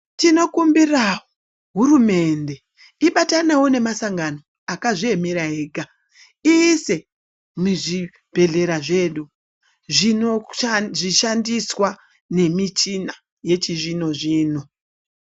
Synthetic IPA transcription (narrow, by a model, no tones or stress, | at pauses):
tino̞kumbirawo | ɦuɾume̞nde̞ | iɓatanewone̞masaŋɡano̞ | akaʐie̞meɾaɦeːɡʱa | ise | muʐi | b̥ʱe̞ɮe̞ɾaʐe̞ːɗu | ʐinʐiʃandiswa | ne̞mit͡ʃina | je̞t͡ʃiʐino̞ʐiːno̞